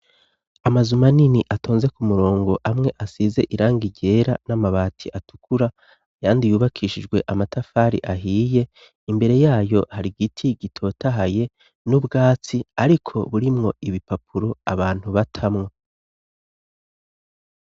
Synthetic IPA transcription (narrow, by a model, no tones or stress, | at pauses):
amazumaniniʔatʰo̞ːnze̞kumuɾo̞ːŋɡo̞ʔamŋe̞ʔasiːze̞ʔiɾaːŋɡiɟe̞ːɾanamaβaːtʰiʔatu̥kuɾa | jaːndijuːβakʰiːʃid͡ʒɡwe̞ʔamatafaɾḭʔaɦiːje̞ | imbe̞ɾe̞jaːjo̞haɾiɡitʰiɡitʰo̞taɦaje̞ | nubɡaːt͡siaɾikʰo̞̰βuɾimŋo̞ʔiβipapʰuɾo̞aβaːn̥huβatʰamŋo̞